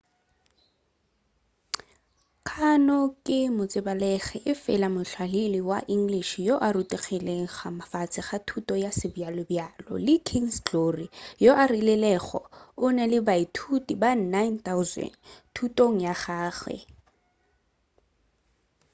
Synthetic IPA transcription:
kʰanɔkʼɪmʊt͡sʼɪbalɛχɛʔɪfɛlamʊɬʰwaliliwa̰ʔiŋ̩ɡliʃijoʔaɾutʼiχilɛχamafat͡sʼɪχatʰutʼɔjasɪbjalɔbjalɔ̰lɪkʰiŋst͡ɬorijoʔarilɛlɛχɔ̰ʊnɛlɪbaitʰutibannajnt̪aʊzɛ̰ntʰutʼoŋ̩jaχaːɣwɛ̰

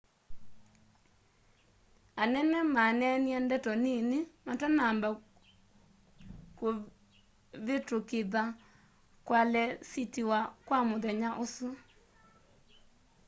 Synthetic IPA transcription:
anɛnɛmanɛniandɛtɔninimatanaːmba | ko | βetokeða | kwalɛsitiwakwamoðɛɲaʔosu

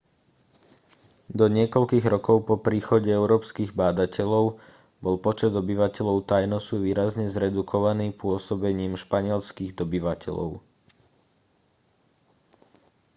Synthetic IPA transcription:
d̪ɔɲɪɛkɔʎkiːɣɾɔkɔʊpɔpɾiːxɔɟɛɛʊɾɔːpskiːɣbaːd̪acɛʎɔʊ | bɔlpɔt͡ʃɛd̪ɔbiʋacɛʎɔʊt̪ajnɔsuʋiːɾazɲɛzɾɛd̪ukʰɔʋaniːpʊɔsɔbɛɲiːmʃpaɲɪɛlskiːɣd̪ɔbiʋacʰɛ̰ʎɔ̰ʊ

